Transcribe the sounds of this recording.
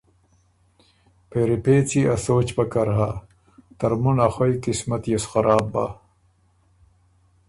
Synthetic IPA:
peɾepeːt͡siʔasoːt͡ɕpɐkɐɾɦa | t̪ɐɾmunaxojkismɐt̪jesxaɾaːbːa̰

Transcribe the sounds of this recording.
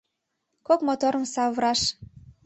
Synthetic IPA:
kokmot̪oɾə̆msɑβɾɑʃ

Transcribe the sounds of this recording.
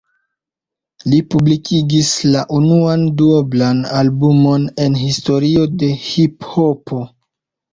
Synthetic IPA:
lipublikʰiɡislaʔunuanduoblanalbumo̞ne̞nɦisto̞ɾio̞de̞hiphopʰo̞

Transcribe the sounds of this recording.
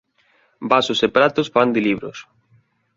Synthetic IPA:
basʊsepɾat̪osfand̪ɪliβɾo̰s

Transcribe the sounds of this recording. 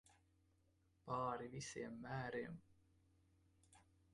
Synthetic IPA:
pɑːɾivisiːmːæːɾeːm

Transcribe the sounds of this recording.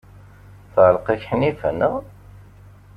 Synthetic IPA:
θʁəlqiçħnifæ̰nəʁ

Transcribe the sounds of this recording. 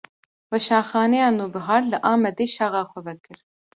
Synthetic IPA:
wɛʃɑːnxɑːnɛjɑːnuːbɨɦɑːɾlɨʔɑːmɛd̪eːʃɑːɣɑːxʷɛvɛkɨɾ

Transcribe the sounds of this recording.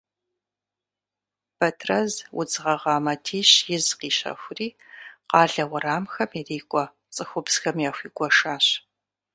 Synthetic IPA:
b̥ɐtʰrɐzwʊ̰d͡zʁɐʁɑːmɐtʰiːɕjɪzqiːɕɐ̰xʷʊriːqɑːɮɐwɐɾaːmxɐmiriːkʷʼɔ | t͡sʼɨxʷʊbsxɐmjaːxʷiːkʷʼɔʃaːɕ

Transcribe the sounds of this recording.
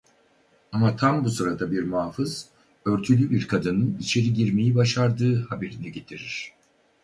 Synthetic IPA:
amat̪ʰambusɯɾad̪abiɾmaːfɯz̥ | øɾt̪ʰylʲybiɾkʰad̪ɯnɯnit͡ʃʰe̞ɾiɟiɾmejibaʃaɾd̪ɯːhabe̞ɾinɛɟe̞t̪ʰiɾiɾ̥

